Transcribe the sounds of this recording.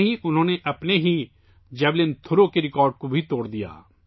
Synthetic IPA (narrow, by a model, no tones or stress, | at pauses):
ɦiʔʊnɦõːneʔɐpneɦiː | d͡ʒɛːblɪnt̪ʰʊɾoːkeɾɪkɔːɾɖ̚kobʱit̪oːɽd̪ija̰ː